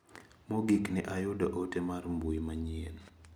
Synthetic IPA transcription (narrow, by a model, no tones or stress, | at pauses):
moɡiknɛʔajʊdaʔotemarmbuimaɲen